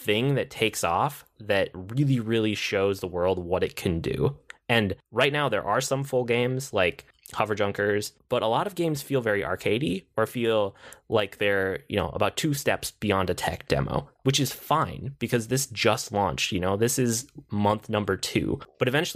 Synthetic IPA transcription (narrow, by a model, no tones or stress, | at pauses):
θɪ̃ŋðɨtʰeɪksɔfðɨt̚ɹɪlˠiɹɪlˠiʃoʊzðəwɜ˞lˠd̚wʌɾɨt̚kʰɨ̃ndʉ̰ɨ̃nɹaɪtⁿnaʊðə̰˞ʔə˞sʌ̃ɱfʊlˠɡẽɪ̃mz̥laɪk | hʌvə˞d͡ʒʌ̃ŋkə˞z̥b̥ʌɾʔəlɔɾʌvɡẽɪ̃mz̥filˠvɛɹiʔɑ̰ɹkʰeɪɾiə˞filˠlaɪk̚ðə˞jɨ̰no̰ʊʔə̰baʊtʰʉstɛpsb̥iɑ̃ndɨtʰɛ̰k̚d̥ɛ̰mo̰ʊwɨt͡ʃɨz̥fãɪ̃nb̥ɨkʰʌzðɪsd̥ʒ̥ʌstˡlɑ̰̃nt͡ʃjɨnoʊðɪsɪzmʌ̃nθnʌ̃mbə˞tʰʉ̰b̥ʌɾɨvɛ̃nt͡ʃ